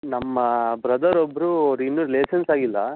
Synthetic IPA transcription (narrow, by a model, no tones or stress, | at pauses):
nɐmːɐbɾɐd̪ɐɾɔbːɐɾuɾinːuːɾileːsɐnsaːɡilːɐ